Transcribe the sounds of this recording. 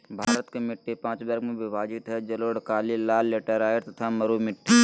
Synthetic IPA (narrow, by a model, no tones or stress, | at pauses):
bʱaːɾət̪kemɪʈːepãːt͡ʃbɐɾkmẽbɪʋaːd͡ʒɪt̪ɦɛd͡ʒɐloɽkaːlilaːlːeːʈəɾaːeɾt̪ɐt̪ʰamɐɾumɪʈːe